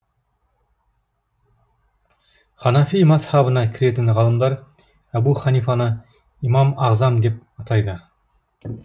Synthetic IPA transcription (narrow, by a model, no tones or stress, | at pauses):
χɑnɑfimɑshɑbənɑkʲʰɪɾe̞t̪ɪnʁɑlˠəmd̪ɑɾ | æbuχɑnifɑnə | imɑmɑʁzɑmd̪e̞p̚ɑt̪ʰɑjd̪ə